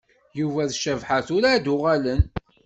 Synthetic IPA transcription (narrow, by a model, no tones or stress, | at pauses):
juvæðʃəvħaθʊɾad̪ʊʁælən